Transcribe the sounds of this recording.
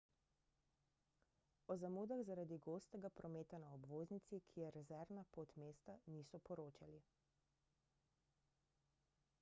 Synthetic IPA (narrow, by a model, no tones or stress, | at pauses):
ɔzamuːd̪aɣzaɾad̪iɡoːst̪ɛɡapɾɔmeːt̪anaɔbʋoːznit̪sikʰijɛɾɛzɛɾnapot̪meːst̪aniːsɔpɔɾoːt͡ʃali